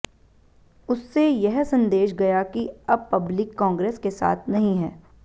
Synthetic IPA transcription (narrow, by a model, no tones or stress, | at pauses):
ʊsːejɛɦsɐ̃nd̪eːʃɡɐjakiɐb̚pɐblɪkːɔ̃ːŋɡɾeːskesa̰ːt̪ʰnɐɦĩɦɛː